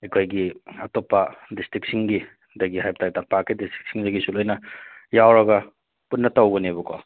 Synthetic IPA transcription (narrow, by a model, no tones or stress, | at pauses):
ikʰojɡiɐtopːɐdistʰik̚siŋɡi | dɐɡihajptʰaj̚tapakidistʰɾi̥k̚siŋzɐɡisulojnɐjawɾɐɡɐ | punːɐtawɡɐnebuko̰